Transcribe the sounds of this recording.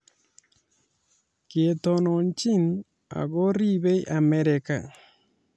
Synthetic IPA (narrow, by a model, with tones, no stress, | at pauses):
ke˨to˨no˨ɲt͡ʃi˦n | a̰˨ɣo˦ɾi˦βe˦i˦ʔa˨me˦ɾeka̰˨